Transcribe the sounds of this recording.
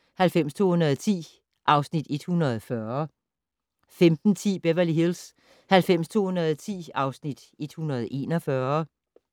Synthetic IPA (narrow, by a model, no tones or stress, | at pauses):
hælfem̰st͡sʰo̝̰ːhunɐð̞ˠt͡sʰḭː | ʔɑ̈ʊsnid̥e̝d̥hunɐð̩ˠfɶɐ | femd̥n̩t͡sʰḭːb̥eʋɐliɦils | hælfem̰st͡sʰo̝̰ːhunɐð̞ˠt͡sʰḭːɑ̈ʊsnid̥ | e̝d̥hunɐð̞̩ˠʔe̝ːnɒfɶɐ